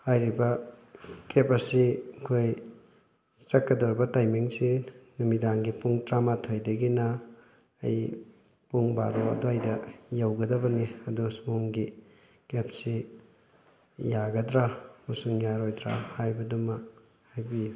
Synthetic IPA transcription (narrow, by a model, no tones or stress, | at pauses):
hajɾibɐ | kepɐsikʰoj | t͡ʃɐkːɐdoɾbɐtajmiŋsinumidaŋɡipuŋtɾamatʰojdɐɡinɐ | ɐ̰j | puŋba̰ɾoɐ̰doɐjdɐjawɡɐdɐbɐniɐdusmuŋɡi | kep̚si | jaɡɐdɾamusuŋjaɾojdɾa̰hajbɐdumɐ | hajbi